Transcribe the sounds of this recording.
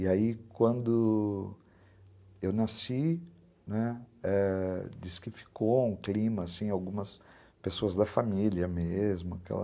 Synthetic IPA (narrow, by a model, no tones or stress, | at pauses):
iaikwɐ̃nd̪ʊ | ewnasi | nɛɛd͡ʒiskɪfi̥koũklĩmɐːsĩawɡũmɐs | pesoɐzd̪ɐfamiliɐmezmʊakɛ̰lɐ̰